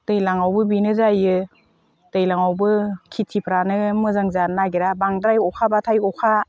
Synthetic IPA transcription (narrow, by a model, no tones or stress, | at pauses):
tɯjlaŋawbɯbinɯzajɯ | tɯjlaŋawbɯkʰitʰipʰɾanɯmɯzaŋzanaɡiɾabaŋdɾajɔkʰabatʰajɔkʰa